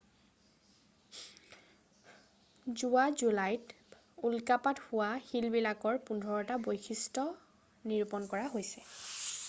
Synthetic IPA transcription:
zuazulajt | ulkapathʊwaxilbilakɔɹpundʱɔɹɔtabojxʰistɔ | niɹupɔnkɔɹaɦojsɛ

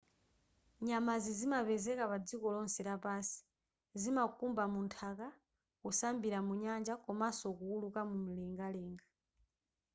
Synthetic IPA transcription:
ɲamazizimapɛzɛkapad͡zikɔlɔnsɛɾapasi̥ | zimakumbamuntʰaka | kusambiɾamuɲand͡ʒakɔmasɔkuulukamum̩lɛŋɡalɛːŋɡa

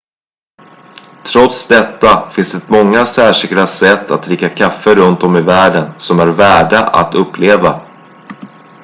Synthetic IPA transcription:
t̪ʰɾɔt̪sd̪ɛt̪ːafɪnsd̪ɛt̪mɔŋːasæːʂɪklasɛt̪ːat̪̚ɾɪkːakʰafːəɾɵnt̪ɔmɪvæːɖənsɔmæɾvæːɖaʔa̰t̪ɵpʰːleːva

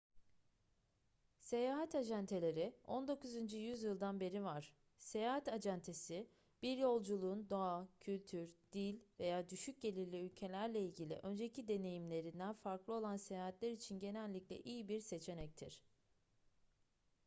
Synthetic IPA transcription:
se̞jaːɦat̪ad͡ʒænt̪ʰe̞lʲe̞ɾio̞nd̪o̞kuzynd͡ʒyjyzjɯlˠd̪anbe̞ɾivaɾ̥ | se̞jaːɦat̪ad͡ʒænt̪ʰe̞si | b̥iɾjo̞lˠd͡ʒulˠund̪o̞acʰylʲt̪ʰyɾd̪̥ilʲve̞jaːd̪yʃyc̚ɟe̞lʲiɾlʲiylʲcʰe̞lʲæɾlʲeilʲɟilʲḭʔø̞nd͡ʒecʰid̪e̞ne̞jimlʲe̞ɾind̪ænfaɾklˠɯo̞lˠanse̞jaːɦat̪lʲæɾit͡ʃʰinɟe̞nælʲːiclʲɛ̰ʔijibiɾse̞t͡ʃʰe̞nɛc̚t̪ʰḭɾ̝̥

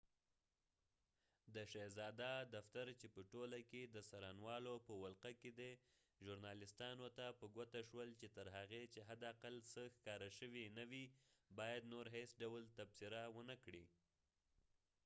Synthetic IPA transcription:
d̪əʃezɑd̪ad̪aft̪aɾt͡ʃepəʈolaked̪əsaɾɑnwɑlopəwalqaked̪e | ʒʊɾnɑlɪst̪ɑnot̪apəɡwat̪aʃwəlt͡ʃet̪əɾɦaɣet͡ʃeɦad̪aqalsəxkɑɾəʃəwinawibɑjad̪noɾɦesɖawəlt̪absɪɾawənəkɽi

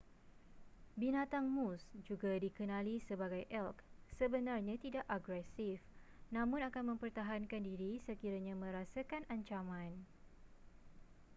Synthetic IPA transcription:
binãt̪aŋmusd͡ʒuɡadikənãlisəbaɡajʔɛlksəbənarɲãt̪idaʔaɡɾɛsif | nãmʊ̃nakanmə̃mpərt̪aɦankandiɾisəkiɾaɲãmə̃ɾasakanʔaɲt͡ʃamãn

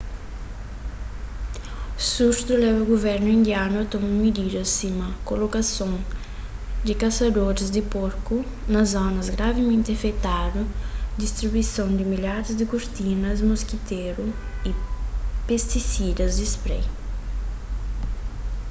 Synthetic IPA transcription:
suɾt̪ulɛvɐuɡovɛɾnʊĩnd̪janʊɐt̪ɔmɐmid̪id̪ɐsimɐkolokasõŋ | d̪ikasad̪oɾɪzd̪ɪpoɾku | nɐzɔnɐzɡɾavɪmẽnt̪ɪafet̪ad̪ud̪ist̪ɾibuisõŋd̪ɪmiʎaɾɪzd̪ɪkuɾt̪inɐzmoskit̪eɾʊ | ipest̪isid̪ɐzd̪ispɾɛ̰j

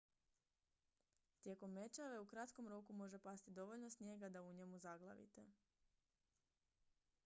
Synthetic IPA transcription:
t̪je̞ko̞mːe̞t͡ʃaʋe̞ukɾat̪ko̞mɾo̞kumo̞ʒe̞past̪id̪o̞ʋo̞ʎno̞sɲje̞ɡad̪auɲe̞muzaɡlˠa̰ʋḭt̪e

